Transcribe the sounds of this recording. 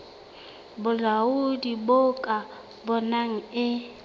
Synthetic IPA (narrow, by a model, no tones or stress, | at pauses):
bʊlaudibokʼa | bɔnaŋ̩ɪ